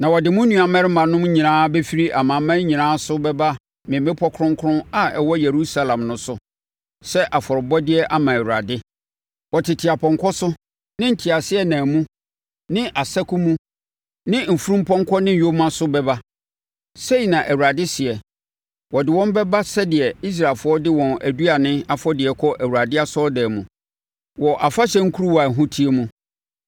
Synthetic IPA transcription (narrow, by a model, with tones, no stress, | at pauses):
nã˨wɔ˨dɪ˨mʊ̃˦nũ˨a˨mɛ̃˦ɾɪ˦mã˨nʊ̃˦m˦ɲĩ˨nãː˦bɛ˦fi˦ɾi˦ʔa˨mã˨mã˦ɲĩ˨nãː˦sʊ˦bɛ˦ba˦ | mɪ̃˨mɪ̃˦pʰɔ˦kʰʊ˦ɾʊ̃˦ŋ˦kʰɾʊ̃˦a˨ɛ˨wɔ˦je˨ɾu˦sa˦lã˨mnʊ̃˦sʊ˨ | sɛ˦ʔa˨fɔ˨ɾɪ˨bɔ˦dɪ˦ɛ˦ʔa˦mã˨æ˨wu˨ɾa̰˨dɪ˦ | wɔ˨tʰɪ˨tʰɪ˨a˨pʰɔ̃˨ŋkʰɔ˦sʊ˦ | nɪ̃˦n̩˨tʰi˨a˨sɪ˦ɛ˦nãː˨mũ˦ | nɪ̃˦ʔa˨sa˦kʰu˦mũ˦ | nɪ̃˦m̩˨fu˦ɾũ˦m˦pʰɔ̃˦ŋ˦kʰɔ˦nɪ̃˦jo˦mã˦sʊ˦bɛ˦ba˦ | se˦i˨nã˨ʔæ˨wu˨ɾa˨dɪ˦sɪ˨ɛ˨ | wɔ˨dɪ˨wɔ̃˦m˦bɛ˦ba˦sɛ˦dɪ˨ɛ˨i˦s̬ɾaː˨fʊ˦ɔ˦dɪ˦wɔ̃˨næ˨du˦a˨nɪ̃˦a˨fɔ˦dɪ˨ɛ˨kʰɔ˦ʔæ˨wu˨ɾa˨dɪ˦a˦sɔ˦dɛː˨mũ˨ | wɔ˨ʔa˨fa˦ɕɛ̃˦ŋ̩˦kʰu˦ɾu˦wa˨ɦũ˦tʰi˦e˦mũ˦